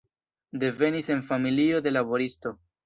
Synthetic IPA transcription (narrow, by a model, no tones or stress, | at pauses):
de̞ve̞nise̞nfamilio̞de̞labo̞ɾisto̞